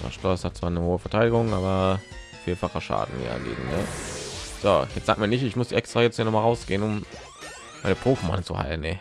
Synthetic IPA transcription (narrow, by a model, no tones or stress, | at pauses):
a̰ʃtʁɔshat̚t͡sv̥aːɐnəhoːəfɛɐtʰaɪɾɪɡʊŋʔaːbɐ | fiːɐfaχəʃa̰ːdn̩ḭːɡḛːɡŋ̩nə | z̥o̰jɛt͡sz̥aːk̚miːɐnɪçtɪçmʊsd̥iːʔɛkstʁ̥aːjɛt͡sthiːɐnɔmalʁaʊsɡ̥eːənʊm | maɪnəpʰʁ̥oːfma̰nt͡suha̰ɪlnɛ